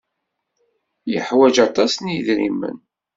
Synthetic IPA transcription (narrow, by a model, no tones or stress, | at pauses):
jə̰ħwæd͡ʒɑt̪ˤɑsniðɾḭmə̰n